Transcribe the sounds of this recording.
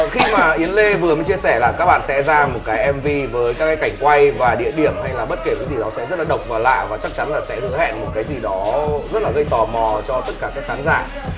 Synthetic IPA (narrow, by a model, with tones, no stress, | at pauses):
xi˧maː˨˩ʔi˨˦ənle˧vɨ˨˩əməː˨˦jt͡ɕi˧əsɛ˧˩laː˨˩kaː˦˥k̚ɓa̰ː˧˨nsɛ̰˧˥zaː˧mo˨˩t̚kaː˨˦jʔɛ˧mvi˧vəː˨˦jkaː˦˥ka˨˦ka˧˩ŋ̟kwa˧jvaː˨˩ɗḭ˧˨əɗi˧˩əmha˧jlaː˨˩ɓə˦˥t̚ke˧˩kaː˨˦jzi˨˩ɗɔ˨˦sɛ̰˧˥zə˦˥t̚laː˨˩ɗə˨˩wk͡p̚vaː˨˩la̰ː˧˨vaː˨˩t͡ɕa˦˥k̚t͡ɕa˨˦nlaː˨˩sɛ̰˧˥hɨ̰˧˥əhɛ̰˧˨nmo˨˩t̚kaː˨˦jzi˨˩ɗɔ˨˦zə˦˥t̚laː˨˩ɣə˧jt̪ɔ˨˩mɔ˨˩t͡ɕɔ˧t̪ə˦˥t̚kaː˧˩sɨ̰˧˥kxaː˨˦nzaː˧˩